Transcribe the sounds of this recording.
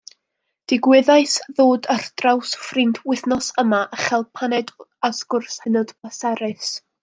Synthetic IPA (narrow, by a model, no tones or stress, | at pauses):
d̥ɪɡwɪðajsðoːdərd̥rawsfrɪndwɪθnɔsəmaʔəχɛlˠpʰanɛdasɡ̥ʊrshɛnɔd̥bəsɛɾɨs